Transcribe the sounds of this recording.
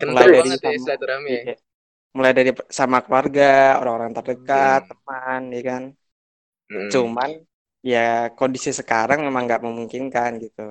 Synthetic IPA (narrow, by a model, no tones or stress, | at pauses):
kmulajdaɾisaɾama | mulajdaɾisamakəluarɡao̰ɾaŋoɾaŋt̪ərdəkat̪̚ːəmanakan | t͡ʃuman | jakondisisəkaɾaŋmemaŋɡaʔməmuŋkinkanɡit̪u